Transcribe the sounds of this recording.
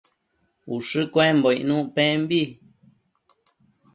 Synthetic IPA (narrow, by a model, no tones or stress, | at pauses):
uʂɨkwẽmboiʔnũʔpẽmbi